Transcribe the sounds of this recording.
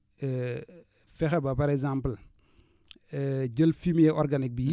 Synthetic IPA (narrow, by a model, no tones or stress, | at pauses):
fɛxɛbɐpɐɾɛɡzampl | ɟəlfimjɛʔɔɾɡanik̚bi